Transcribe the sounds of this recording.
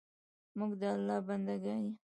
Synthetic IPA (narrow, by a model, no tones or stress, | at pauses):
muɡd̪əalːɑband̪aɡani